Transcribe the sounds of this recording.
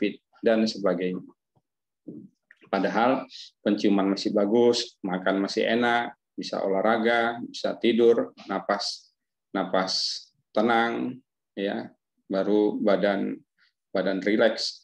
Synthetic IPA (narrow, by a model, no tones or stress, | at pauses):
pɪt̪̚ | dansəbaɡajɲa | padaɦalpəɲt͡ʃumanmasɪhbaɡʊsmakanmasɪ̰hḛnak̚ | bisa̰ʔo̰lahɾaɡabisa̰t̪idʊrnapas | napas | t̪ənaŋ | ja | baɾubadan | badanrilɛks